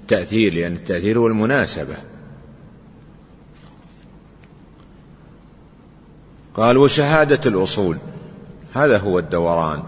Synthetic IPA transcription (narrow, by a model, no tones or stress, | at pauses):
t̪ːaʔθiːɾlɪʔanːɪt̪ːaʔθiːɾhʊwalmʊnaːsaba̰ | qɑːlwɪʃaɦaːd̪alʔʊsˤuːl | haːðaɦʊwːad̪ːawɑɾˤɑ̰ːn